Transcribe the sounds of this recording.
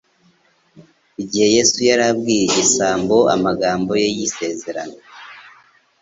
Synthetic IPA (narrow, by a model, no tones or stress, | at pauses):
iɟihe̞je̞sujaɾab̚ɡiːjeisaːmbo̞ʔa̰maɡaːmbo̞je̞jise̞ːze̞ɾa̰na